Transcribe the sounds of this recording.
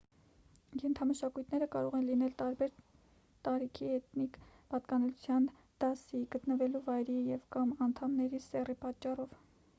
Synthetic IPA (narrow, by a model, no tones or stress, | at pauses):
jɛnt̪ʰɑməʃɑkujt̪ʰnɛɾəkɑɾɔʁɛnlinɛlt̪ɑɾbɛɾ | t̪ɑɾikʰiɛt̪nikpɑt̪kɑnuut͡sʰjɑn | d̪̥ɑsiɡət̪nəvɛluvɑjɾijɛvkɑmɑnt̪ʰɑmnɛɾisɛripɑt͡ʃːɑrɔv